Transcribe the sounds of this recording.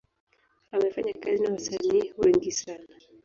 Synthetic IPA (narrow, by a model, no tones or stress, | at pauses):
amafaɲakazinawasaniːwɛŋɡisana